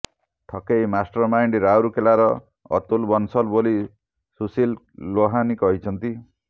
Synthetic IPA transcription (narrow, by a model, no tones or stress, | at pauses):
ʈʰɔkejmasʈɔɾmajɳɖɾawɾukelaɾɔ | ɔ̰t̪ulbɔnsɔlboli | susilː | oɦanikɔɦit͡ʃʰʌnt̪i